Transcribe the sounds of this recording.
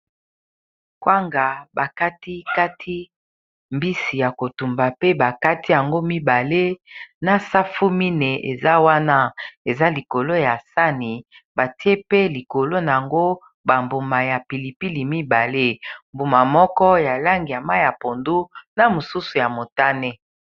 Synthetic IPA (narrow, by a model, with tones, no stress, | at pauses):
kwa˦ŋɡa˨ba˨ka˦ti˦ka˦tʰi˦ | mbi˦si˨ja˨ko˨tu˨mba˨pe˦ba˨ka˦ti˦ja˨ŋɡo˦mi˦ba˨le˦na˨sa˦fu˦mi˦ne˨ʔe˨za˦wa˦na˦e˨za˦li˨ko˨lo˦ja˨sa˦ni˨ | ba˨ti˦e˦pe˦li˨ko˨lo˦na˨ja˨ŋɡo˦ | ba˨mbu˨ma˨ja˨pi˨li˨pi˦li˨mi˦ba˨le˦mbu˨ma˨mɔ˦kɔ˦ja˨la˦ŋɡi˨ja˨ma˦ja˨po˨ndu˦na˨mo˨su˦su˨ja˨mo˨ta˦ne˦